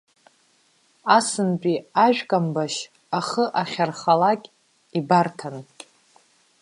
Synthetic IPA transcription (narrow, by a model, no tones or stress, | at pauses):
asɨnpʼiaʒᶣkʼambaʃ | aχəʔaχʲarχalakʲʼ | ibartʰan